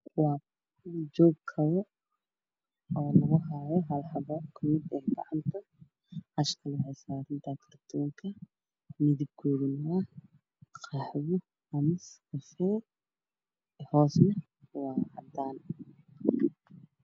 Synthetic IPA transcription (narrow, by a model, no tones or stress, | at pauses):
wɑː | d͡ʒɔːɡkʰɐɾɔ | ɔːlɐɣʊɦajɔɦɐlħɑβɔkʰʊmɪd̪ɛːɡɑ̰ʕɑnt̪ʰɐ | hɐʃkʰɐlɐhɛsaːɾɪnt̪ʰɐkʰɐrt̪ʰɔːŋkʰɐ | mɪðɪb̚ɡʰuːðɪnːa | qɑħwʊ | ɐmɐskɐfɛː | hɔːsnɐ | wɑʕɑd̪aːn